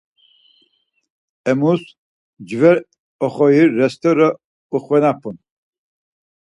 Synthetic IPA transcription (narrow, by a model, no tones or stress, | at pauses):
ɛmus | d͡ʒvɛɾ | ɔχɔjiːɛst̪ʰɔɾə | uχvɛnapʰun